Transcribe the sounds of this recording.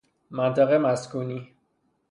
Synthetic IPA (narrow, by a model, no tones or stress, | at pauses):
mænt̪ʰaɣemæskuːni